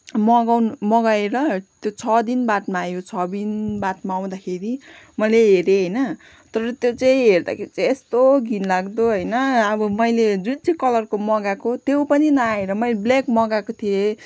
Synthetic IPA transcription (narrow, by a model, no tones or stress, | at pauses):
mʌɡawnmʌɡaeɾʌt̪jot͡sʰʌd̪inbaʈmaːjot͡sʰʌbinbaʈmaːw̃d̪akʰeɾi | mʌleɦeɾeɦʌjnʌ | t̪ʌɾʌt̪jot͡saĩɦerd̪a̰kʰeɾit͡sãest̪oɡʱinlaɡd̪oɦʌjnʌʌbʌmʌjled͡zunt͡sʰikʌlʌrkomʌɡakot̪jewpʌninʌaeɾʌmʌjleblekmʌɡakot̪ʰie